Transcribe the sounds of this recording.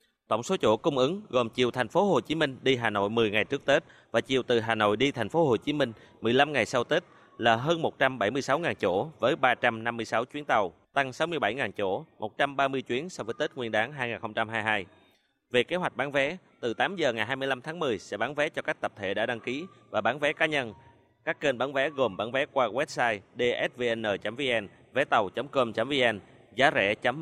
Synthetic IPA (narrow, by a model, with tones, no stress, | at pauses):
t̪ə̰˧˩wŋ͡mso˨˦t͡ɕo̰˧˩kʊ˧wŋ͡mʔɨ˨˦ŋɣo˨˩mt͡ɕi˨˩əwt̪ʰɛ˨˩jŋ̟fo˨˦ɦo˨˩t͡ɕi˨˦mï˧ŋ̟ɗi˧ɦaː˨˩no̰˧˨jmɨ˨˩əjŋa˨˩jt͡ɕɨ˦˥ək̚t̪e˦˥t̚ | vaː˨˩t͡ɕi˨˩əwt̪ɨ˨˩ɦaː˨˩no̰˧˨jɗi˧t̪ʰa˨˩jŋ̟fo˨˦ho˨˩t͡ɕi˨˦mï˧ŋ̟ | mɨ˨˩əjla˧mŋa˨˩jsa˧wt̪i˦˥t̚ | laː˨˩ɦəː˧nmo˨˩t̚t͡ɕa˧mɓa˧˩jmɨ˧əjsa˨˦wŋaː˨˩nt͡ɕo̰˧˩vəː˨˦jɓaː˧t͡ɕa˧mna˧mːɨ˧əjsa˨˦wt͡ɕwi˨˦ənt̪ə˨˩wt̪a˧ŋsa˨˦wmɨ˧əjɓa˧˩jŋaː˨˩nt͡ɕo̰˧˩mo˨˩t̚t͡ɕa˧mɓaː˧mɨ˧əjt͡ɕwi˨˦ənsa˧wvəː˨˦jt̪i˦˥t̚ŋwi˧ənɗaː˨˦ŋɦaː˧jŋaː˨˩nxə˧ŋ͡mt͡ɕa˧mɦaː˧jɦaː˧j | ve˨˩ke˨˦hɦwa˨˩k̟̚ɓaː˨˦nvɛ˨˦ | t̪ɨ˨˩t̪aː˨˦mzəː˨˩ŋa˨˩jɦaː˧jmɨ˧əjla˧mt̪ʰaː˨˦ŋmɨ˨˩əjsɛ̰˧˥ɓaː˨˦nvɛ˨˦t͡ɕɔ˧kaː˦˥k̚t̪ə˨˩p̚t̪ʰḛ˧˨˩ɗa̰ː˧˥ɗa˧ŋki˨˦vaː˨˩ɓaː˨˦nvɛ˨˦kaː˨˦ɲə˧n | kaː˦˥kːe˧nɓaː˨˦nvɛ˨˦ɣo˨˩mɓa̰ː˨˦nvɛ˨˦kwaː˧wɛ˦˥p̚saː˧jɗe˧ʔɛ˦˥t̚ve˧ʔɛ˧nʔəː˨˩t͡ɕa˨˦mvi˧ʔɛ˧n | vɛ˨˦t̪ə˨˩wt͡ɕə˨˦mko˧mt͡ɕa˨˦mvi˧ʔɛ˧n | zaː˨˦zɛ̰˧˩t͡ɕə˨˦m